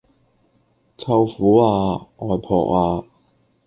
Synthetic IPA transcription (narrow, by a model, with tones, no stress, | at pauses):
t͡sʰɐ˧wfuː˨˥aː˧ŋɔː˨jpʰɔ̰ː˨˩k̚aː˧